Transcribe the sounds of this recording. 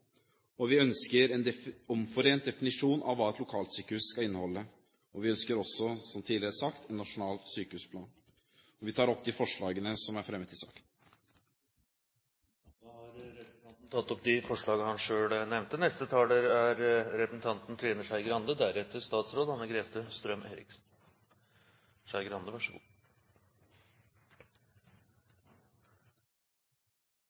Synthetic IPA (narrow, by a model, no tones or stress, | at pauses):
ɔʋɪœnskəɾɛnd̪ɛɔmfɔɾeːnt̪̚d̪ɛfɪnɪʂuːnʔɑ̰ʋːɑːɛt̪lʊkʰɑːlt̪syːkəhʉsskɑɪnːəhɔlːə | ʔɔʋɪœnskəɾɔsɔsɔmt̪ʰiːɪɾəæsɑkt̪ɛnnːɑʂʊnɑːlt̪syːkəhʉːspʰlɑːn | ɔʋɪt̪ʰɑːɾɔp̚d̪ɪfɔʂɭɑːɡənəsɔmæɾfɾɛmːət̪ʰɪlsɑ̰ːkən | hɑɾɾɛpɾ̩ʰɑnt̪n̩t̪ʰɑt̪ːɔp̚d̪ɪfɔʂɭɑːɡəhɑnʂøːnɛʋnt̪ənɛst̪ət̪ʰɑːləɾæɾɾɛpɾəsn̩t̪ʰɑnt̪nt̪ʰɾeːnəʂæɪɡəɾɑnd̪əd̪æɾɛt̪əʂt̪ɑːt̪sɾoːd̪hɑnəɡɾeːt̪ʰəst̪ɾœmḛːɾɪ̰ksn | ʂæɪɡəɾɑnd̪əʋɑʂəɡṵː